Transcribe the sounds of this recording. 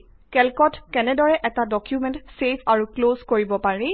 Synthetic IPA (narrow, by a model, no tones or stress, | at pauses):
kɛlkɔtkɛnɛdɔɹɛʔɛtadɔkʰjumɛ̃ntsepʰaɹuklozkoɹibɔpaɹi